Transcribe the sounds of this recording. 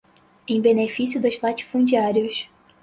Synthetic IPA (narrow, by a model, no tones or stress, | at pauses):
ẽj̃benefisjʊd̪ʊzlat͡ʃi̥fũd͡ʒiaɾjʊs